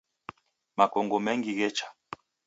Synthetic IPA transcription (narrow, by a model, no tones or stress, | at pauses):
makɔŋɡɔmɛŋɡiɣɛt͡ʃḁ